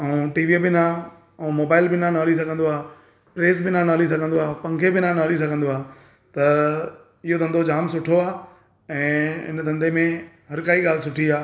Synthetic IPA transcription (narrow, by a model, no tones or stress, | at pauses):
ɛũʈiːʋibɪnaː | ɛ̃ːmoːbaːɪlbɪnãnaːlis̬ɐɡʱə̃nd̪oaː | pɾeːsbɪnãnaːlis̬ɐɡʱə̃nd̪oaːpɐ̃ŋkʰebɪnãnaːlis̬ɐɡʱə̃nd̪oaː | t̪ɐ | ɪɦot̪ʰɐ̃nd̪od͡ʑaːmsʊʈʰoaː | ɛ̃ːɪ̰nd̪ʱɐ̃nd̪emẽɦɐɾkaːiɠaːl̤ɪsʊʈʰiaː